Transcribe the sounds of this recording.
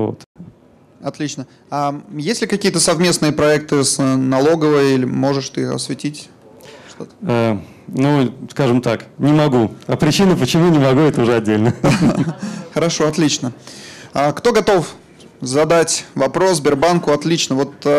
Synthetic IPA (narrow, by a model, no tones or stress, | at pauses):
vo̰t̪ | ɐt̪lʲit͡ɕnə | ajesʲlʲɪkɐkʲijət̪əsɐvmʲe̞snɨjəpɾɐɛk̚t̪ɨsnɐlˠo̞ɡəvəjəilʲɪmo̞ʐɨʂt̪ɨxɐ̰svʲɪtʲitʲ | ʂt̪ot̪ə̥a | nuskaʐɨmt̪aknʲɪmɐɡuɐpɾʲɪt͡ɕinəpət͡ɕɪmunʲɪmɐɡuɛt̪əʊʐɛɐdʲːelʲnə | xəɾɐʂo̞ɐt̪lʲit͡ɕnəakt̪o̞ɡɐt̪o̞f | zɐd̪atʲvɐpɾo̞sbʲɪrbankʊɐt̪lʲit͡ɕnəvo̞t̪